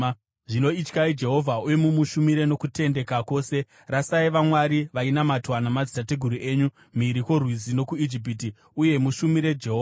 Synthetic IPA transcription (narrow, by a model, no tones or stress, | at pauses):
ʐino̞it͡ʃkaid͡ʒe̞ɦo̞vʱaujemumuʃumiɾe̞no̞kute̞nde̞kako̞ːse̞ | rasaiʋamwaɾiʋainamatwanamad͡zitateɡʱuɾuʔe̞ːɲu | miɾiko̞rwizino̞kuid͡ʒip̬iti | uje̞muʃumiɾe̞d͡ʒe̞ɦo